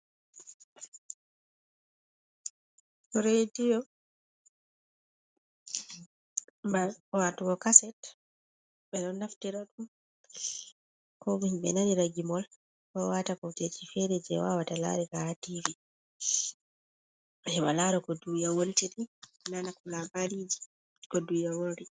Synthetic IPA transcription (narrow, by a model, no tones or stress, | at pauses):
ɔɾedijɔ | awatuɡɔkasɛt | ɓɛɗɔnːaftiɾaɗum | kɔmiɲɓɛnaniɾaɡimɔl | kɔwatakɔtet͡ʃifɛɾɛd͡ʒɛ̰wa̰watala̰ɾikaativi | hɛmalaɾɔkɔdujawoltiɾinanakulabaɾid͡ʒi̥ | kɔdujawoɾi